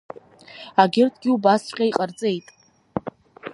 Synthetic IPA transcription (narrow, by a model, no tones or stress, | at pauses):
aɡʲɪrtʰʼɡʲiubast͡ɕʷqʲʼaiqʼart͡sʼe̞jtʼ